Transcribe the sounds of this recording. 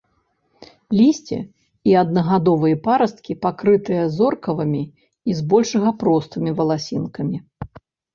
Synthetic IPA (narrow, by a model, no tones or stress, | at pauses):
lʲisʲt͡sʲḭ | iɐd̪nɐɣad̪ɔvɨjɐpaɾɐst̪̚kʲipakɾɨt̪ɨjɐzɔrkɐvɐmʲi | izbɔlʲʂɐɣɐpɾɔst̪ɨmʲivɐlˠasʲinkɐmʲi